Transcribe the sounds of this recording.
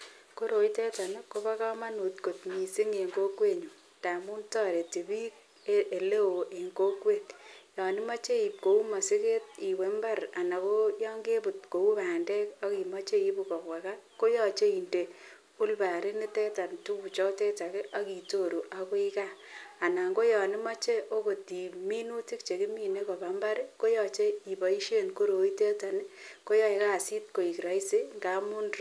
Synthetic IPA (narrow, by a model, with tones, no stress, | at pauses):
ko˦ɾo˨i˦tɛ˦ta˨ne˦ko˦ba˦ka˦ma˦nu˨tko˨tmi˨si˦ŋe˨ŋɡo˦kwe˦ɲu˨ | ta˨mu˦ntɔ˦ɾe˨te˨bi˦k̚ | e˦e˨le˦wo˨ʔe˨ŋɡo˦kwe˦t̚jɔ˨ni˦ma˦t͡ʃe˦i˨p̚ko˨u˦ma˨si˦ke˦t̚i˨we˨mba˦ɾa˨na˨ko˦jɔ˦ŋɡe˦bu˨t̚ko˨u˦baː˨ndɛ˦kɔ˦ki˨ma˦t͡ʃe˦i˦bu˨kɔ˨kwa˨ka˦ko˦jɔ˦t͡ʃe˦i˨nde˨ | u˦lba˨ɾi˦ni˦tɛ˦ta˨ntu˦ku˨t͡ʃɔ˦tɛ˦ta˨ke˦ʔa˦ki˨to˦˨ɾu˨ʔa˨ko˦i˦ka˦a˨na˨ŋɡo˦jɔ˨nɪ˦ma˦t͡ʃe˦ʔo˦ko˨ti˨mi˦nu˦ti˦kt͡ʃe˨ki˦mi˦ne˦kɔ˨ba˨mba˦ɾe˦ko˦jɔ˨t͡ʃe˦i˨bɔ˨i˦ʃe˦nko˦ɾo˨i˦te˦ta˨nɪ˦ko˦jɔ˦e˨ka˦˨si˦t̚ko˨i˨kɾa˨i˦se˦ŋɡa˦mu˦nɾ